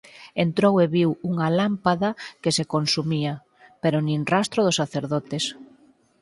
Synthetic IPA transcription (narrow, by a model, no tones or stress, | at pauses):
ent̪ɾoweβiwuŋɐlampaðɐkesekonsumiɐ | peɾʊnĩnrast̪ɾʊð̞ʊsaθeɾðɔt̪ɪs